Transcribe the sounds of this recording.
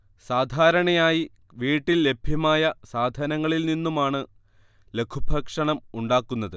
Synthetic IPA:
saːd̪ʱaːɾɐɳɐjaːji | ʋiːʈːilːe̞bʱjɐmaːjɐsaːd̪ʱɐnɐŋːɐɭilninːumaːɳɨ | le̞kʰubʱɐkʂɐɳɐmuɳɖaːkːunːɐðɨ

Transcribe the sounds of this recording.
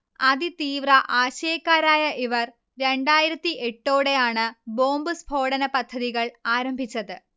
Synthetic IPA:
ɐðit̪iːʋrɐʔaːɕeːkːaːɾaːjɐʔiʋɐr | ɾe̞ɳɖaːjiɾɐt̪ːie̞ʈːo̞ːɽejaːɳɨbo̞ːmbɨsbʱo̞ːɽɐnɐpɐd̪ʱːɐðiɣɐɭaːɾɐmbʱit͡ɕːɐðɨ

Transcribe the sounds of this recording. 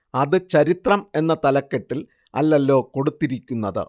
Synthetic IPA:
ɐðɨt͡ɕɐɾit̪rɐme̞nːɐt̪ɐlɐkːeʈːil | ɐ̰lːɐlːo̞ːko̞ɽut̪ːiɾikʲːunːɐðɨ̰

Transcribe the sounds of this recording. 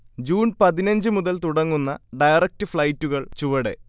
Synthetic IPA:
d͡ʑuːnpɐðinɐɲd͡ʑɨmuðɐlt̪uɽɐŋːunːɐɖɐjɐrɐk̚tɨfɭɐjtːuɣɐɭt͡ɕuʋɐɽe̞̰

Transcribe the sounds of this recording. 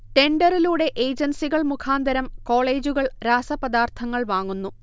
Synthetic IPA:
ʈe̞ɳɖɐriluːɽe̞ʔeːd͡ʑɐnsiɣɐɭmukʰaːnd̪ɐɾɐmko̞ːɭe̞ːd͡ʑuɣɐɭɾaːsɐpɐd̪aːrt̪ʰɐŋːɐɭʋaːŋːunːu

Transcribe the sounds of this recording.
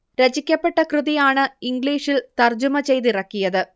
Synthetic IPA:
ɾɐt͡ɕikʲːɐpːe̞ʈːɐkrɨðijaːɳɨiŋɡɭiːʂilt̪ɐrd͡ʑumɐt͡ɕe̞jðirɐkːijɐðɨ

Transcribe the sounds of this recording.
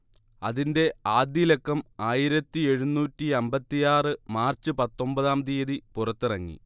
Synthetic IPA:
ɐðinde̞aːd̪jɐlekːɐmaːjiɾɐt̪ːie̞ɻunuːtːiɐmbɐt̪ːijaːrɨmaːrt͡ɕːɨpɐt̪ːo̞mbɐðaːmd̪ijɐðipurɐt̪ːɨrɐŋːḭ

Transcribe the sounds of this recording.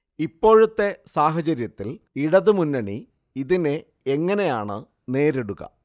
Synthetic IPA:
ipːo̞ːɻut̪ːe̞saːɦɐt͡ɕɐɾjɐt̪ːil | iɽɐðɨmunːɐɳi | iðineː | ŋːɐne̞jaːɳɨ̰ | ne̞ːɾeɽuɣɐ̰

